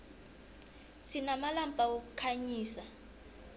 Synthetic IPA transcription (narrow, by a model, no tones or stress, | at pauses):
sinamalampʼawok̬ukʰaɲiːsa